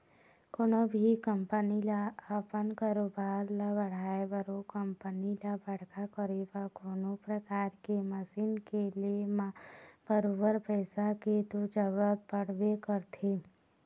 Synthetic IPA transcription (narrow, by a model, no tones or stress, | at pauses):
konobʱikəmpənilaəpənkaːɾobaːɾlabəɽ̤aːebəɾokəmpənilabəɽ̤kakəɾebakoːnopɾəkaːɾkeməsiːnkeliemab̥əɾoːbəɾpɛːsaket̪od͡ʒəɾət̪̚bəɽ̤wekəɾt̪ʰe